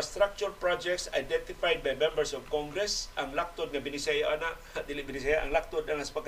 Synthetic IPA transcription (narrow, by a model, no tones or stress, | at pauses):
st̪ɾak̚t͡ʃʊɾpɾad͡ʒɛktsa̰jdɛnt̪ifajd̪̚bajmɛ̃mbəɾsɔvkɔŋɡɾɛsʔaŋlak̚t̪ʊd̪̚ŋabinisajaʔanaʔ | d̪ilibinisajaʔaŋlak̚t̪ʊd̪̚naŋasḁpaɡ